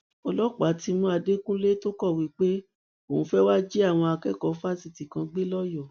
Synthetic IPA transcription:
ɔ˧lɔ˦k͡pa˨˦ti˧mũ˦a˧de˦kũ˦le˦to˦kɔ˦˨wi˨˦k͡pe˦ | o˦˨ũ˧˦fɛ˦wa˦d͡ʒi˦a˦˨w̃ɔ̃˧a˧kɛ˦kɔ˨˦fa˦˨si˧˨ti˨kã˧ɡ͡be˦lɔ˦jɔ˦˨

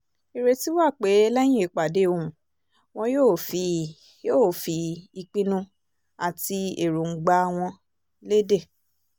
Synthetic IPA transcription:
i˨ɾe˧ti˦wa˦˨k͡pe˨˦lɛ˦j̃ĩ˦e˨˧k͡pa˨de˨˦o˧ũ˨ | w̃ɔ̃˧jo˦˨fi˨˧ | jo˦˨fi˧i˧k͡pĩ˧nũ˧ | a˨ti˧e˨ɾũ˨ŋ̩˨ɡ͡ba˧˦˧w̃ɔ̃˧ | le˦de˦˨

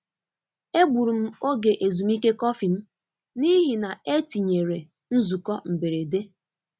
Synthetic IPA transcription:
e˦ɡ͡bu˨ɾu˨m̩˦o˦ɡe˨ʔe˨zu˨mi˦ke˦kɔ˦fi˨m̩˦ | ni˦ɦi˨na˨e˦ti˨ɲe˨ɾe˨ | n̩˦zu˨kɔ˦m̩˨be˨ɾe˨de˦

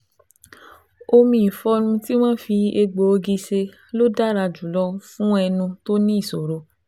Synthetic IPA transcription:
o˧mĩ˦i˨fɔ˦nũ˧ti˦w̃ã˦fi˧e˧ɡ͡bo˨o˧ɡi˧se˧ | lo˦da˦ɾa˧d͡ʒu˨˦lɔ˦fũ˦ɛ˧nũ˧to˦nĩ˦i˦˨so˨ɾo˧

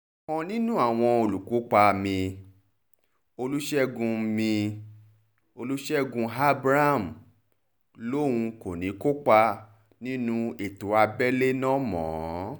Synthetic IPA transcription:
mɔ̃˧nĩ˦nũ˦a˦˨w̃ɔ̃˧o˨lu˨ku˨˦k͡pa˧mĩ˧ | o˧lu˦ʃɛ˦ɡũ˧mĩ˧ | o˧lu˦ʃɛ˦ɡũ˧ɦa˦bɾa˦˨m̩˨ | lo˦˨wũ˧ko˨nĩ˨˦ko˦k͡pa˧ | nĩ˦nũ˦e˨to˨a˧bɛ˦le˦nɔ̃˦mɔ̰̃ː˨

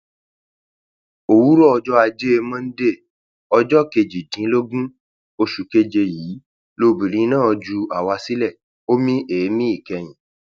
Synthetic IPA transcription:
o˨wu˨˦ɾɔ˦ɔ˧d͡ʒɔ˦a˧d͡ʒe˦e˧mã˦n̩˦de˦˨ | ɔ˧d͡ʒɔ˦ke˧d͡ʒi˨tĩ˨˦lo˦ɡũ˦ | o˧ʃu˨ke˧d͡ʒe˧jiː˨˦ | lo˧bi˨ɾĩ˨˦nãː˦˨ɔ˧d͡ʒu˧a˨wa˧si˦lɛ˦˨ | o˦mĩ˦ʔeː˨˦mĩ˦i˦˨kɛ˧j̃ĩ˨

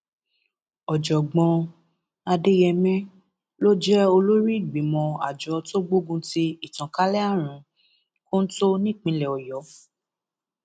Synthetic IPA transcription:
ɔ˨d͡ʒɔ˨ɡ͡bɔ̃˧ | a˧de˦jɛ˧mɛ̃˦ | lo˦d͡ʒɛ˦o˧lo˦ɾi˦i˦˨ɡ͡bi˨˦mɔ̃˧a̰˨d͡ʒɔ˨˧to˦ɡ͡bo˦ɡũ˧ti˧i˦˨tɔ̃˨ka˦lɛ˦a˦˨ɾ̃ũ˨˦ | ko˦n̩˦to˦nĩ˦˨k͡pĩ˨˧˦lɛ˨ɔ˨jɔ˨˦

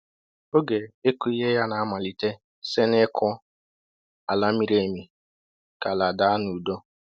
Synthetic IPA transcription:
o˦ɡe˨e˦ku˦i˦ɦe˦ja˦na˨a˦ma˨li˨te˦ | se˦nɪ˦kʊ˦ | a˨la˦mi˦ɾe˨˦˨mi˨ | ka˨la˨da˨a˦nu˨do˦

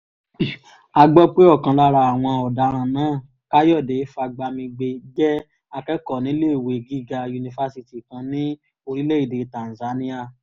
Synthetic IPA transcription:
a˧ɡ͡bɔ˦k͡pe˦ɔ˦˨kã˧la˦ɾa˧a˨w̃ɔ̃˧ɔ˨da˨˦ɾ̃ã˧˨nãː˦˨ | ka˦jɔ˦˨de˨˦fa˧ɡ͡ba˧mĩ˧ɡ͡be˧ɡɛ˦ | a˧kɛ˦kɔ˦˨nĩ˨˦le˦˨we˨ɡi˦˨ɡa˧ju˧nĩ˧fa˧˦si˧ti˨kã˧nĩ˦ | o˧ɾi˦le˦i˦˨de˨˦tã˨n˨za˨˦nĩ˦a˦˨

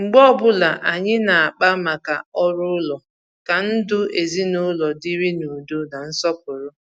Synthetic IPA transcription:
ŋ͡m̩˨ɡ͡bɔ˦˨bʊ˦la˨ʔa˨ɲɪ˦na˨a˨k͡pa˦ma˨ka˨ɔ˦ɾʊ˦lɔ˨ | ka˨n̩˦dʊ˦e˨zi˦nʊ˦lɔ˨di˦ɾi˦nu˨do˦na˨n̩˦sɔ˦p̚ʊ˨ɾʊ˦

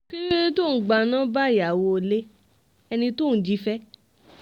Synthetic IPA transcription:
ki˦ɾi˦ĩ˧tu˦˨ɡ͡ba˨nã˦ba˦˨ja˨wo˧˨le˦ | ɛ˧nĩ˧tu˦˨n̩˨d͡ʒi˨˦fɛ˦

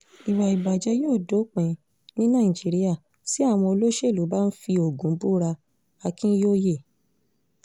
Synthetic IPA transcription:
i˨wa˨i˨ba˨d͡ʒɛ˨˧˦joː˦˨do˨˦k͡pɛ̃˨˧ | nĩ˦nã˦˨ĩ˨d͡ʒi˨˦ɾi˦a˦˨ | si˨˦a˦˨w̃ɔ̃˧o˧lo˦ʃe˦˨lu˨˦ba˦n̩˦fi˧o˨ɡũ˨˦bu˦ɾa˧ | a˧kĩ˦joː˦je˦˨

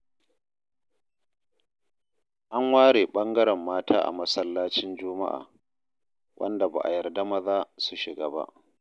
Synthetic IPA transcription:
ʔa˦ŋwaː˦ɽeː˨ɓɐ˦ŋɡɐ˦ɾɛ˨mːaː˦tʰaː˦ʔa̰˨mɐ˦sɐ˦lːaː˦t͡ʃɪ˦nd͡ʒʊ˦ma̰˦ʔa̰ː˨ | wʔɐ̰˦nda˨ba̰˨ʔa̰˨jɐ˨rda˦mɐ˦zaː˦su˨ʃɪ˨ɡa̰ː˦ba̰˦ʔ

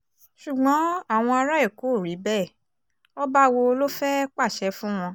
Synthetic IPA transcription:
ʃu˨ɡ͡bɔ̃˨˦a˦˨w̃ɔ̃˧a˧ɾa˦i˦˨ko˨˦˨ɾi˨˦bɛ˦˨ | ɔ˦ba˦wo˧lo˦fɛ˦k͡pa˦˨ʃɛ˨˦fũ˦w̃ɔ̃˧

